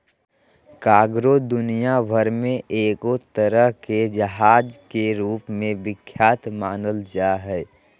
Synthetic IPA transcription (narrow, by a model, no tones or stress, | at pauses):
kaːɡɾod̪ʊnijabʱəɾmẽʔeːkot̪əɾəɦked͡ʒəɦaːd͡ʒkeɾuːpmẽbɪkʰːjaːt̪maːnəld͡ʒaːɦɛː